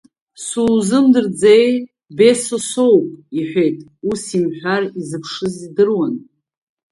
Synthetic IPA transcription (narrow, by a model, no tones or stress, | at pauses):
suzɨmdɨrd͡zej | be̞sosowpʼiħʷᶣe̞jtʼ | usimħʷᶣarizɨpʰʂɨzidɨrwan